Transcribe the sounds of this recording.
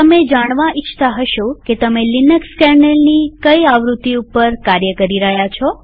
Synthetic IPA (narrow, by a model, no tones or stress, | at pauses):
t̪əmed͡ʒaɽ̃ʋaʔɪt͡ʃʰt̪aɦəʃoket̪əmelinəkskɛɾɳelnikəjaʋɾut̪ːiupəɾkaɾjəkəɾiɾəɦjat͡ʃʰɔ